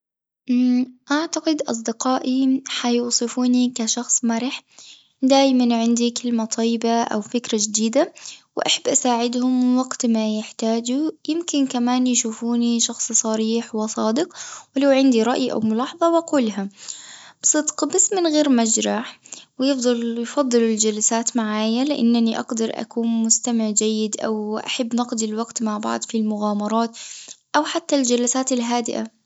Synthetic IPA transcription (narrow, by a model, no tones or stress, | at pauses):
ʔaʕt̪aqɪd̪ʔɑ̰s̬ˤd̪ɪqɑːʔiħajuːsˤɨfuːnikaʃɑxsˤmaɾɪħ | d̪aːjmanʕɪnd̪ikɪlmat̪ˤʰɑjɪbaʔa̰wfɪkɾad͡ʒd̪iːd̪awʔa̰ħabːʔasaːʕɪd̪hʊmwaɡt̪majɪħt̪aːd͡ʒujɪmkɪnkamaːnjʃuːfuːniʃɑxsˤsˤɑɾiːħwɪsˤɑːd̪ɪqwɪlawʕɪnd̪iɾˤɑʔjiʔa̰wmʊlɑːħɑðˤɑwɪkʊlːɦa | b̥sˤɨd̪qɑbasːmɪnɣeːɾmad͡ʒɾˤɑħwɪjɪfd̪ˤɑljfɑd̪ˤːɨlɪld͡ʒalasaːt̪maʕaːjalɪʔa̰nːaniʔɑ̰ɡd̪ɑɾˤʔa̰kuːnmʊst̪amɪʕd͡ʒajːɪd̪ʔa̰wʔa̰ħabːnɑqd̪ɪlwaɡt̪maʕbɑ̰ʕd̪ˤfilmʊɣaːmɑɾˤɑːt̪ʔawħat̪ːald͡ʒalasaːt̪ɪlɦaːd̪ɪʔa